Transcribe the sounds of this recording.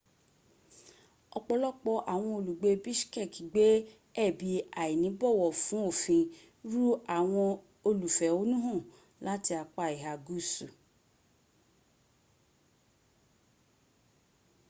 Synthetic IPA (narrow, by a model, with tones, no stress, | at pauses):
ɔ˧k͡pɔ˧lɔ˦k͡pɔ˧ʔa˨w̃ɔ̃˧o˧lu˨ɡ͡be˧bi˦ʃkɛ˦˨ki˨ɡ͡be˨˦ | ɛ˦˨bi˧a˨i˨nĩ˨˦bɔ˦˨wɔ˨fũ˨˦o˦˨fĩ˧ | ɾu˦a˨w̃ɔ̃˧ | o˧lu˨fɛ˨o˨˦nũ˦ɦɔ̃˦˨ | la˦ti˧a˧k͡pa˦˨i˨ɦa˨ɡu˦su˨